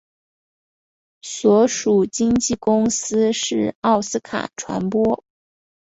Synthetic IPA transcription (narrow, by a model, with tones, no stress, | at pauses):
swɔ˧˥ʂu˨˩t͡ɕi˥ŋt͡ɕi˥˩kʊ˥ŋsɹ̩˥ʂɻ̩˥˩ɑ˥˩ʊsɹ̩˥kʰa̰˨˩ʈ͡ʂʰwa̰˧˥npwɔ˥